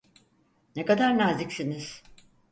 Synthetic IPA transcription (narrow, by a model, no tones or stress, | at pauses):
nekad̪aɾnazicsiniz̥